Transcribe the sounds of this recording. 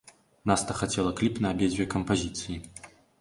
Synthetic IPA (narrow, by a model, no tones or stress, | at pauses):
nast̪ɐxɐt͡sʲɛlˠɐklʲipnɐɐbʲed͡zʲvʲɛkəmpɐzʲit̪sɨji